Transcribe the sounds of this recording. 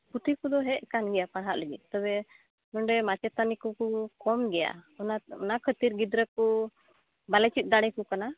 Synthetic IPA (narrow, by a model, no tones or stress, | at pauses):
put̪ikud̪ɔɦɛʔ̚kanɡɛjapaɽɦaʔləɡit̪ɔbɛ | nɔɳɖɛmat͡ʃɛt̪anikɔkukɔmɡɛja̰ɔnaɔnakʰət̪iɾɡid̪ɾəku | balɛt͡ʃit̪̚ˀd̪aɽ̃ɛkukana